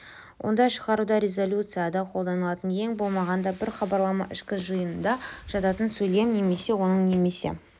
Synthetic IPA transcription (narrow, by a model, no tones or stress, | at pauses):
wʔo̞̰nd̪ɑʃə̥ʁɑɾud̪ɑɾʲe̞zo̞lʲut̪sɨjad̪ɑqʰo̞lˠd̪ɑnəlˠɑt̪ənje̞ŋbo̞lˠmɑʁɑnd̪ɑbɪɾχɑbɑɾlˠɑmɑ̰ʔɪʃkʲɪʒəjənənd̪ɑʒ̥ɑt̪ɑt̪ənsɵjle̞mne̞me̞se̞wo̞nəɴne̞me̞se̞̰